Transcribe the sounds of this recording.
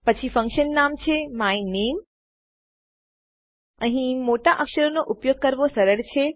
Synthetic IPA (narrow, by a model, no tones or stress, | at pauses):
pət͡ʃʰifə̃ŋkʃənːamt͡ʃʰemainem | əɦĩmoʈaʔəkʃəɾonoʔupjoɡ̚kəɾʋosəɾəɭt͡ʃʰe